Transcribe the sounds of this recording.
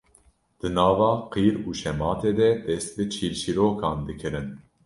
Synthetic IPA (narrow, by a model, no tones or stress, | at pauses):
d̪̥ɨnɑːvɑːqiːɾuːʃɛmɑːt̪eːd̪ɛd̪ɛst̪̚bɨt͡ʃʰiːlʃiɾoːkʰɑːnd̪ɨkʰɨɾɨn